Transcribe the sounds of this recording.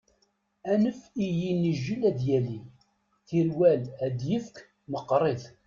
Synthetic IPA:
ænəfijinːəʒːilæd̪jæli | θiɾwælæd̪jəfk | məqːɾˤeð

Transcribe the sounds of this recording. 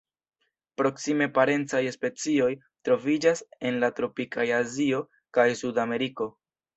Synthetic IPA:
pɾo̞ksime̞paɾe̞nt͡sajspe̞t͡sio̞j | tɾo̞vid͡ʒase̞nlatɾo̞pikajazio̞ | kajsudame̞ɾiko̞

